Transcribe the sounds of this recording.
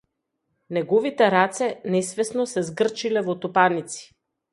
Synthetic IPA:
nɛɡɔvit̪ɛɾat̪sɛnɛsvɛsnosɛzɡr̩t͡ʃilɛvot̪opanit̪si̥

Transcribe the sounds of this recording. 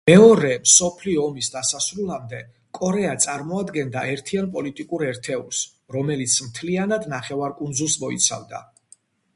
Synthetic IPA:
mɛɔɾɛmsɔpʰliɔːmisd̪asasɾulˠamd̪ɛ | kʼɔɾɛat̪sʼaɾmɔad̪ɡɛnd̪aɛɾt̪ʰianpʼɔlit̪ʼikʼuɾɛɾt̪ʰɛṵls | ɾɔmɛlit̪sʰmt̪ʰlianad̪naχɛvaɾkʼund̪zulˠsmɔḭt̪sʰa̰vd̪a̰

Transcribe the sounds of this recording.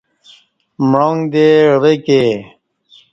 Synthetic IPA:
mɻoŋd̪eɾeke

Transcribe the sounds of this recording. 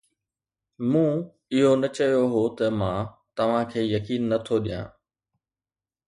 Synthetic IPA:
mũː | ɪɦonɐt͡ɕɐjoɦot̪ɐmãː | t̪ɐʋ̤ãkʰeːjɐkiːnːɐt̪ʰoɗijã̰ː

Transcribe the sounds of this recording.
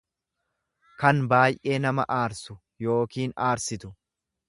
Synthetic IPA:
kɐnbaːjʔe̞ːnɐmɐ̰ʔaːɾsʊ | jo̞ːkiːnaːɾsɪt̪ʊ

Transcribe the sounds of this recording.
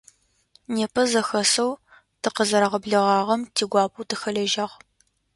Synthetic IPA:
neːpʰɐzɐxɐsɐw | tʰɨqəzɐɾɐʁɐbɮɨʁɑːʁɐmtʰiːɡʷɑːp̚ʰuːtʰɨxɐɮɐʒɐʁ

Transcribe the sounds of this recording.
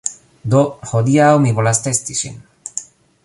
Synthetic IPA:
d̪oxod̪iawmiβolast̪est̪isḭn

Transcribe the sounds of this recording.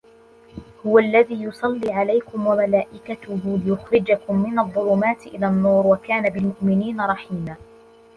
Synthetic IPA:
hʊwaʔlːaðiːjʊsˤɑlːiːʕalajkʊmwamalaːʔɪkat̪ʊhʊːlɪjʊxɾɪd͡ʒakʊmːɪnaðˤːʊluːmaːt̪ʔɪlaːnːuːɾwakaːnabɪlmʊʔmɪniːnaɾˤɑħiːmaː

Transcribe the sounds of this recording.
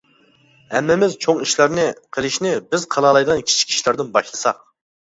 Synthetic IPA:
hɛmːɪmɪzt͡ʃʰoŋiʃlæɾnɪqʰəlˠɪʃnɪbɪzqʰɑlˠɑlˠɑjd̪ʁɑnkʲʰi̥t͡ʃʰi̥kʲʰi̥ʃlæɾd̪ɨnbɑʃlˠɨsɑ̰q̚

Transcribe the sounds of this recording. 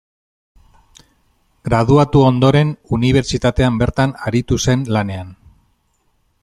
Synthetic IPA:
ɡɾað̞uat̪uond̪o̞ɾe̞nuniβ̞e̞ɾt͡ʃit̪at̪e̞ambe̞ɾt̪anaɾit̪use̞nlane̞an

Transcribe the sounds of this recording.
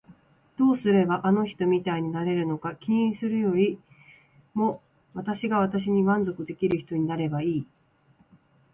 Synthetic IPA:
d̪̥o̞ːsɨɾe̞baʔano̞çi̥t̪o̞mʲit̪aiɲ̟inaɾe̞ɾɯ̟no̞kakʲĩĩsɨɾɯ̟jo̞ɾʲi | mo̞ | βat̪aɕiɡaβ̞at̪aɕ̬iɲ̟imãnzo̞kɯ̟d̪e̞kʲiɾɯ̟çi̥t̪o̞ɲ̟inaɾe̞baiː

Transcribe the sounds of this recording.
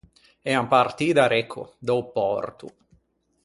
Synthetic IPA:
ɛampart̪iːd̪aɾekʰːo̰d̪ɔwpɔrt̪ṵ

